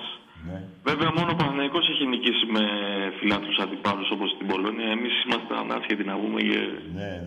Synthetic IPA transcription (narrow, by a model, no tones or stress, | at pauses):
s | ve̞veɐmo̞no̞pɐθnɐiko̞seçinicisime̞filɐt̪ɾusɐnd̪ipɐluso̞po̞st̪ibo̞lo̞niɐe̞misimɐst̪eɐ̰nɐ̰sçet̪inɐvumḛcḛ